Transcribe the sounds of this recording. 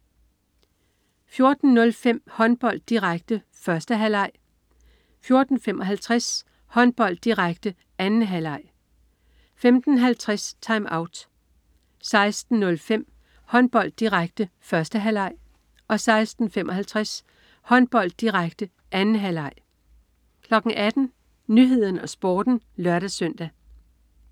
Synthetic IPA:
fjo̝ɐd̥n̩ːnɔ̽lfem̰hɒ̽nb̥ɒ̽l̰d̥̚ːiʁaɡ̥̚d̥ə | fɶɐsd̥əɦælɑ̈ɪ̰ | fjo̝ɐd̥n̩fem̰ɒ̽ɦælt͡sʰʁas | hɒ̽nb̥ɒ̽l̰d̥ːiʁaɡ̥d̥ə | ænn̩ɦælɑ̈ɪ̰ | femd̥n̩ɦælt͡sʰʁast͡sʰɑ̈ɪmɑ̈ʊd̥ | sɑ̈ɪsd̥n̩ːɔ̽lfem̰ | hɒ̽nb̥ɒ̽l̰d̥ːiʁaɡ̥̚d̥əfɶɐsd̥əɦælɑ̈ɪ̰ | ɒ̽sɑ̈ɪsd̥n̩femʔɒ̽hælt͡sʰʁas | hɒ̽nb̥ɒ̽l̰d̥̚ːiʁaɡ̥̚d̥ə | ʔænn̩ɦælɑ̈ɪ̰ | kʰlɒ̽ɡ̥ŋ̩ʔæd̥n̩ | nyɦe̝ð̞̰ˠn̩ɒ̽sb̥oːd̥n̩ | lɶɐɾ̥æsœn̰d̥æ

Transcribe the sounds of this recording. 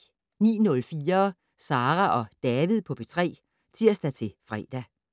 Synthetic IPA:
nḭːnɔ̽lfiːɐ | sɑ̈ːʁæʔɒ̽d̥ɛːʋið̞̰ˠpʰɒ̽b̥et͡sʰʁɛ̰ː | t͡sʰiɐ̰sd̥æt͡sʰe̝fʁɛːd̥æ

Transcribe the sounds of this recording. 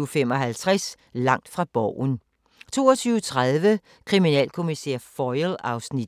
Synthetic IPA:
fem̰ɒ̽ɦælt͡sʰʁɛs | lɑ̈ŋ̰d̥fʁɑ̈b̥ɒʊ̰n | t͡sʰo̝̰ːɒt͡sʰyːʊət͡sʰʁað̞ˠʋə | kʰʁiminɛ̰ːlkʰo̝misḛɐ̰fɒɪlɑ̈ʊsni̥

